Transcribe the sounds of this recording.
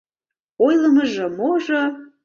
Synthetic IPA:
ojlˠəməʒɤ̆moʒɤ

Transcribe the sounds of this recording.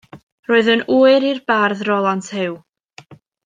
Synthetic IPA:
roɨðənuːɨɾirbarðrɔlˠantʰhɪw

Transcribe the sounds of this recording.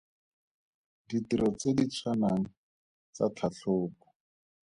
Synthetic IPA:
ditiɾʔɔt͡sedit͡sʰwanaŋ̩ | t͡sa̰tʰaɬoːpɔ̥

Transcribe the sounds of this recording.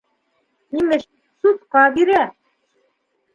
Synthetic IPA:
nimɘ̆ʃ | sut̪qɑbiɾæ

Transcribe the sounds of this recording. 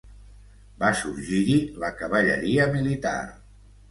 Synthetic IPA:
basuɾʒiɾiləkəβəʎə̰ɾiəmilit̪a̰r

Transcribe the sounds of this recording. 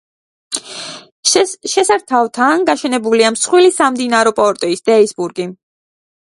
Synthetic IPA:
ʃɛsaɾt̪ʰavt̪ʰanɡaʃɛnɛbuliamsχwilisamd̪inaɾɔpʼɔɾt̪ʼɔisd̪̥ɛisbuɾɡi

